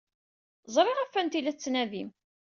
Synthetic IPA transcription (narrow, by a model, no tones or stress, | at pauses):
zˤɾˤeʁæfːænt̪ilæt͡sːnæðim